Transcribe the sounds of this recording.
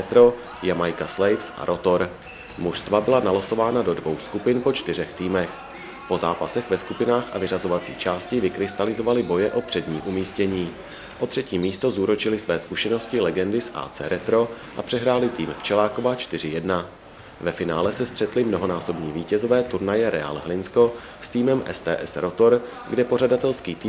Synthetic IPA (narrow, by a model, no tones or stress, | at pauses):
ɛt̪ɾo̞ | jamajkaslɛjfsʔa̰ɾʔo̞t̪o̞ɾ | muʃst̪vabɪlanaloso̞vaːnado̞dvo̞wskupɪnpo̞t͡ʃt̪ɪr̝ɛxt̪iːmɛx | po̞zaːpasɛxvɛskupɪnaːxʔa̰vɪrazo̞vat͡sḭːt͡ʃaːscɪvɪkɾɪst̪alɪzo̞valɪbo̞jɛʔo̞pr̥ɛdɲḭːʔumiːscɛɲiː | ʔo̞t̪r̝̥ɛciːmiːst̪o̞zuːɾot͡ʃɪlɪsvɛːskuʃɛno̞scɪlɛɡɛndɪsʔa̰ːt͡sɛ̰ːɾɛt̪ɾo̞ | ʔapr̥ɛɦɾaːlɪt̪iːmft͡ʃɛlaːko̞vat͡ʃt̪ɪrɪjɛdna | vɛfɪnaːlɛsɛst̪r̝̥ɛt̪lɪmnoɦo̞naːso̞bɲiːviːcɛzo̞vɛːt̪uɾnajɛɾɛa̰ːlɦlɪnsko̞ | st̪iːmɛmʔɛ̰st̪ɛ̰ːʔɛsɾo̞t̪o̞ɾ | ɡdɛpo̞r̝adat̪ɛlskiːt̪iː